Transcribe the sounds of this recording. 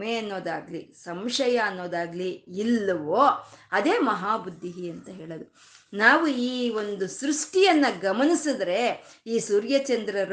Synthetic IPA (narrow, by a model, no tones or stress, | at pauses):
meɐnːo̞ːd̪aːɡlisɐmʂɐjɐːnːo̞ːd̪aːɡliilːɐʋoːɐd̪eːmɐɦaːbud̪ʱːiɦiɐnt̪ɐɦe̞ːɭɐd̪u | naːʋuiːo̞nd̪usɾuʂʈijɐnːɐɡɐmɐnisid̪ɾe̞iːsuːɾjɐt͡ʃɐnd̪ɾɐɾ